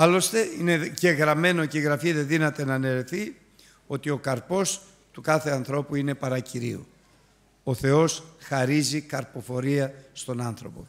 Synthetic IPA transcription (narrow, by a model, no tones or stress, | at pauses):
ɐlo̞st̪e̞ine̞ce̞ɣɾɐme̞no̞ceɣɾɐfiðe̞ðinɐt̪e̞nɐne̞ɾeθi | o̞t̪io̞kɐɾpo̞s | t̪ukɐθe̞ɐnθɾo̞puine̞pɐɾɐciɾḭu | o̞θe̞o̞sxɐɾizikɐɾpo̞fo̞ɾiɐst̪o̞nɐnθɾo̞po̞̰